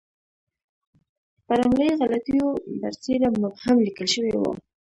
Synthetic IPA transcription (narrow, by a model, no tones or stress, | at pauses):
paɾamləjɣalat̪ujod̪a̰ɾselamʊbhamlikəlʃəwewo̰